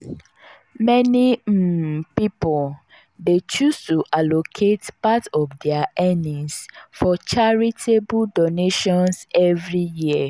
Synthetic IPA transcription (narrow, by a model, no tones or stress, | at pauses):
mɛnim̩pipɔl | det͡ʃustuʔalokʰetpatɔvdɛaʔɛnĩŋsfɔt͡ʃaɹitʰebuldoneʃɔ̃nsɛvɹiji